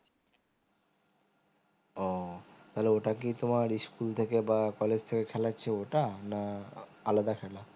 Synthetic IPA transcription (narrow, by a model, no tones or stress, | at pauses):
ɔt̪aɦleoʈak̬it̪omaɾiskult̪ʰekebakɔled͡ʑt̪ʰekekʰɛlatːɕʰeoʈanaalad̪akʰɛla